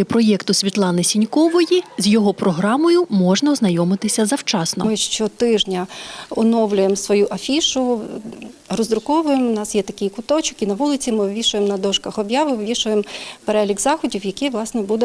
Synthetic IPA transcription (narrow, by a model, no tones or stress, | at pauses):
ɪpɾɔjɛkt̪ʊsʲʋʲit̪lˠɑnɪsʲinʲkɔʋɔjizʲjɔɦɔpɾɔɦɾɑmɔjʊmɔʒnɐɔznɐjɔmɪt̪ɪsʲɐzɐwt͡ʃɑsnɔ̰mɪʃt͡ʃɔt̪ɪʒnʲɐʊnɔwlʲʊjemsʋɔjuʔɐfʲiʃʊ | rɔzɾʊkɔʋʊjemnɑsjɛt̪ɐkʲikʊt̪ɔt͡ʃʊkʲinɐʋulˠɪt͡sʲimɪʋʋʲiʃʊjemnɐd̪ɔʃkɐxɔbjɑʋɪwʋʲiʃʊjempeɾɛlʲiɡzɑxɔdʲiwjɐkiʋlˠɑsnɛbud̪ɛ